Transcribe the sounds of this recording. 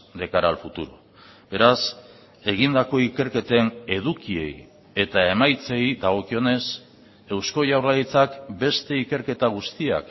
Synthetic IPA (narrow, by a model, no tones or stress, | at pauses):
d̪e̞kaɾalfut̪uɾu | be̞ɾas | e̞ɣ̞ind̪ako̞ike̞ɾke̞t̪ene̞ð̞ukie̞̰j | e̞t̪ae̞majt͡se̞jd̪aɣ̞o̞kio̞ne̞s | e̞wsko̞ʝawɾlait͡sakbe̞st̪e̞ike̞ɾke̞t̪aɣ̞ust̪ia̰k